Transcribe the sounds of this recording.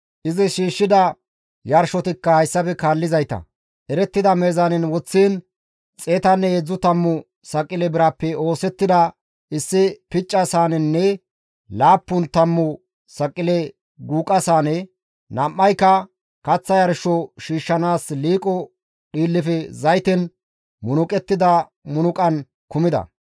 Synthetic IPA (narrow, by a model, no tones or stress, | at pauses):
ʔɪzɪʃiːʃːɪd̪ɐ | jɐɾʃɔt̪ɪkːɐhɐjsːɐfɛkaːlːɪzɐjt̪ɐ̰ | ʔɛɾɛt̪ːɪd̪ɐmeːzanɛnwɔt͡sːiːn | t͡sʼeːt̪ɐnːɛed͡zːʊt̪ɐmːʊ | sɐkʼːɪlɛbɪɾaːpːɛo̞ːsɛt̪ːɪd̪ɐ | ʔɪsːɪpɪt͡ʃʼːɐsaːnɛnːɛ | laːpːʊnt̪ɐmːʊ | sɐkʼːɪlɛ | ɡuːkʼɐsaːnɛ | nɐmːɐjkːɐ | kɐt͡sːɐjɐɾʃɔʃiːʃːɐnaːsliːkʼɔ | ɗiːlːɪfɛzɐjt̪ɛn | mʊnʊkʼɛt̪ːɪd̪ɐ | mʊnʊkʼɐn | kʊmɪd̪ɐ̰